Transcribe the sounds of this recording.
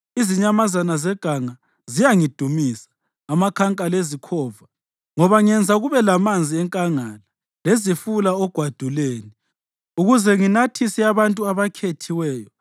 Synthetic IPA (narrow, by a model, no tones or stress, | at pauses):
iziɲamazanazɛɡ̥ʱaŋa | zijaŋid̥ʱumisḁː | makʰaŋkʼalezikʰɔːva | ŋɔβaŋɛnd͡zʱaɣuβɛlamand͡zʱiɛŋkʼaŋala | lezifulaɔɡ̥ʱwad̥ʱuleːni | uɣuzɛŋinatʰisiaβantʼuaβakʰetʰiwɛːjɔ